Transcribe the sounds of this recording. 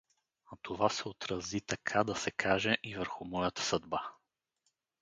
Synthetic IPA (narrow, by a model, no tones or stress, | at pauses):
ɐt̪ʰovasɛot̪ɾɐzit̪ɐkʰad̪ɐsɛkʰaʒɛʔivəɾxʊmɔjət̪ə̥sɐd̪̚ba